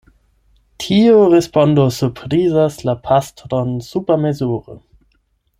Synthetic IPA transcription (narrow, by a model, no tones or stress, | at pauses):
tʰioɾespondosuɾpʰɾizaslapʰastɾonsupamezuɾo̰